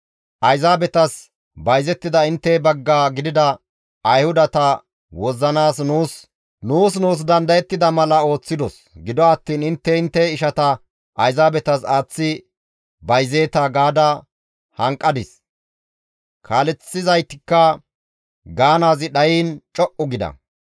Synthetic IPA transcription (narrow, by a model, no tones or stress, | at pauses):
ʔɐjzaːbɛt̪ɐs | bɐjzɛt̪ːɪd̪ɐɪnt̪ːɛbɐɡːaːɡɪd̪ɪd̪ɐ | ɐjhʊd̪ɐt̪ɐ | wɔzːɐnaːsnuːs | nuːsnuːs̬d̪ɐnd̪ɐjɛt̪ːɪd̪ɐmɐlɐo̞ːt͡sːɪd̪ɔs | ɡɪd̪ɔɐt̪ːiːnɪnt̪ːɛɪnt̪ːɛɪʃɐt̪ɐ | ʔɐjzaːbɛt̪ɐsaːt͡sːɪ | bɐjzeːt̪ɐɡaːd̪ɐ | hɐŋkʼːɐd̪ɪs | kʰaːlɛt͡sːɪzɐjt̪ɪkːɐ | ɡaːnaːzɪɗɐjiːnt͡ʃʼɔʔʊɡɪd̪ɐ̰